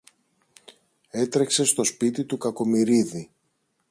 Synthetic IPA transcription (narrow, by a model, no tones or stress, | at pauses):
e̞t̪ɾe̞kse̞st̪o̞spit̪it̪ukɐko̞miɾiði